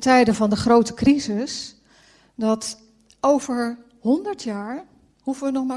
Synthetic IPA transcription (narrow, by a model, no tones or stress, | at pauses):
tɛjdəvɑndəχrowtəkrizɪs | dɑt | ʔowvəɹ | hɔndəɹtʰjaːɹ | huvəʋənɔχma